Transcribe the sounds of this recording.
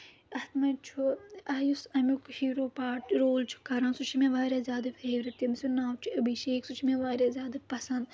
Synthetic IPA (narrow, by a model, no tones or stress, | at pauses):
ɐt̪mɐt͡ʃʰuaːjusɐmukhiːɾoːpaːʈɾoːlt͡ʃʰu̥kɐɾãːnsut͡ʃʰimẽʋaːɾaːzʲjaːd̪ɐfeːɾɐt̪jɐmsunaːwt͡ʃʰiɐbiʃeːksut͡ʃʰimẽʋaːɾazʲjaːd̪ɐpɐsɐ̃nd̪